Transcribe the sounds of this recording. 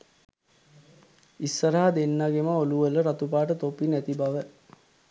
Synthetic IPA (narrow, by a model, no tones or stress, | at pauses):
isːəɾaɦad̪enːaɡemaoluʋələɾat̪upaːʈət̪opːinæt̪ibaʋə